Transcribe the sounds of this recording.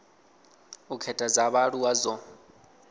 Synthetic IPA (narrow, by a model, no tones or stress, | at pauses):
ukʰɛtʼad͡zaβaɺuwazɔ